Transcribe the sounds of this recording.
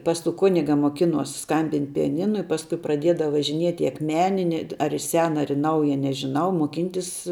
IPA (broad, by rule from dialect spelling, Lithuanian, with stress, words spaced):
pɐs tuː ˈkʊnʲɪɡɐ moːˈkʲɪnuɔs ˈskɐmʲbʲɪnʲtʲ pʲɪjɛˈnʲɪnʊ ɪ ˈpɑːskʊɪ prɐˈdʲeːdɐw ʋɐʒʲɪˈnʲiɛtʲ ɪ ɐkˈmʲæːnʲɪ nʲɛt ɐr ɪ ˈsʲæːnɐ ɐr ɪ ˈnɐʊjɛ nʲɛʒʲɪˈnɐʊ moːˈkʲiːnʲtʲɪs